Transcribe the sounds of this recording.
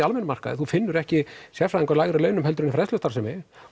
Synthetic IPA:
almɛnmar̥ka̰ðθufɪnːʏɾɛhcɪsjɛfɾaðɪŋkɔɾlajɣɾɪlœːɥnʏmɦɛlt̪ɾʏnifɾɛðslʏst̪aɾsɛmɛ

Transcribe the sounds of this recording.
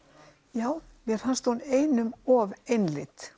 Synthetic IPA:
jaːwmjɛɾ̥fanst̪huneːjnʏmɔvejnlɪt̪

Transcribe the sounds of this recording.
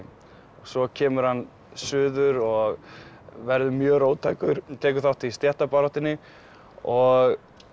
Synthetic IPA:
ɔɣsɔcʰɛːmʏɾ̥hanː | sʏːðʏɾɔɣ | vɛɾðʏmjœːɣɾoːwt̪ʰaːjkʏɾ̥t̪ʰɛːk̬ʏθawt̪ʰːɪst̪jɛht̪apaːɾɔht̪ɪnːɪ | ɔɣ

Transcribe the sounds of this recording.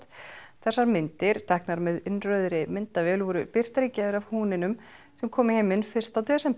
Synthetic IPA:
t̪θɛsːaɾmɪnt̪ɪɾ̥t̪ʰɛhknaɾmɛðɪnrœɥðɾɪmɪnt̪avɛːlvɔɾʏpɪr̥t̪aɾicaːðʏɾavhuːnɪnʏm | sɛmkʰɔːmɪhejmɪnfɪr̥t̪at̪ɛːsɛm

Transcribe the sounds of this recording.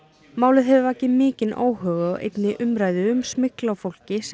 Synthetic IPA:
maːwlɪðɦɛvɪvahcɪmɪːcɪno̰ːwhœːɣaʔḛjt̪nɪʔʏmɾaːjðɪʏmsmɪklawfowl̥cɪs

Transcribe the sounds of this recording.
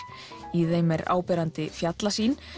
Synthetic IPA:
iθejmɛɾa̰ːwpɛːɾant̪ɪfjat̪lasiːn

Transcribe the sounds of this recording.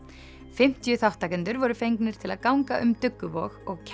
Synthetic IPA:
fɪm̥t̪jʏθawht̪akʏnt̪ʏɾvɔɾʏfejŋknɪɾ̥t̪ʰɪlaðkawŋkaʔʏmt̪ʏkːʏvɔɣɔɣcʰ

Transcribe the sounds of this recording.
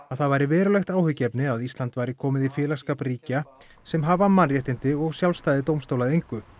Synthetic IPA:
aðθaðvaːjɾɪvɛːɾʏlɛxt̪aːwhʏcːɛpnɪaðist̪lant̪vaːjɾɪkʰɔːmɪðifjɪːlaskaːpriːca | sɛmɦavamːanrjɛht̪ɪnt̪ɪɔɣsjawlst̪ajðɪt̪̬owmst̪owlaðejŋkʏ

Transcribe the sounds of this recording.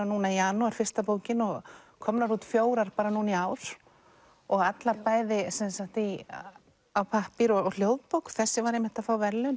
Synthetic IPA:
anuːnaiaːnuɛɾ̥fɪr̥st̪apoːwcɪnɔɣ | kʰɔmnaɾuːt̪fjoːwɾaɾ̥paːɾanuːniaːwɾ̥ | ɔɣat̪laɾpaːjðɪsɛnsaht̪i | awpʰahpiɾɔɣɔɣl̥joːwðpowkθɛsːɪvaɾejmɪht̪aðfaːwvɛɾlʏn

